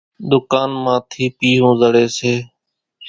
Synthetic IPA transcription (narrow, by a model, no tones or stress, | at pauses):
d̪ʊkaːnmãːt̪ʰiːpiːɦõːzəɽeːseː